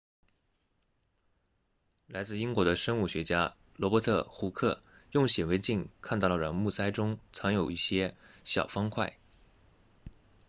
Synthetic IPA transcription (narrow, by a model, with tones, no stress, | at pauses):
la˧˥ɪt͡sɹ̩˥˩i˥ŋkwɔ˧˥d̪ə˧ʂə˥ŋu˥˩ɕɥɛ˧˥t͡ɕja˥ | lwɔ˧˥pɔ˧˥t̪ʰɤ˥˩xu˧˥kʰɤ˥˩jʊ˥˩ŋɕjɛ˨˩we˧˥ɪt͡ɕi˥˩nkʰa˥˧nt̪ɑ˥˩ʊlə˧˩ɻɑ˧˥˩ŋmu˥˩sa˥ɪʈ͡ʂʊ˥ŋt͡sʰɑ˧˥ŋjo˨˩ʊi˥˩ɕjɛ˥ɕjɑ̰˨˩ʊfɑ˥ŋkʰwa˥˩ɪ